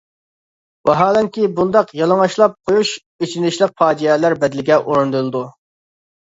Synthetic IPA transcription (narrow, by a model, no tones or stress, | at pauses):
wɑɦɑːlɛŋkʲibund̪ɑqjɑlˠɑŋɑʃlˠɑp̚qʰojuʃ | it͡ʃʰind̪ɪʃlˠəq̚fɑːd͡ʒiɛlæɾbɛd̪ɪlɪɡʲɛʔoɾɨnɨd̪ɨlˠɨd̪u